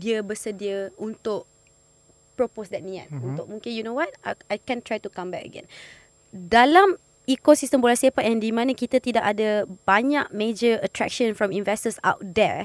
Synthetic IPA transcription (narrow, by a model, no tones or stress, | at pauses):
diəbəsədiəunt̪ʊʔ̚ | pɹoposdɛt̚nĩa̰t̪̚unt̪ʊk̚mũŋkɪ̃njunowɔt̚aajkɛ̃ntɹajtukãmbɛkə̰ɡɛ̰̃n | dalam | ikosistəmbolasiapat̚ɛ̃ndimãnãkit̪at̪idaʔadəb̥aɲaʔ̚med͡ʒəətɹɛ̰k̚ʃə̃nfɹɔ̃mĩnvɛstəsa̰wt̚d̪ɛɹ